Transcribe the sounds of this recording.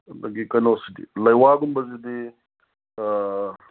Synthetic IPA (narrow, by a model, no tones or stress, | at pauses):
lɐɡikɐnosid̪ḭlɐjwaːɡumbɐzid̪i